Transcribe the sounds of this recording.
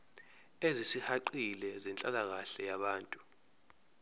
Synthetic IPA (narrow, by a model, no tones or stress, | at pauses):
ezisihaǃilɛzɛnt͡ɬʼalak̬aɬɛjaɓaːntʼu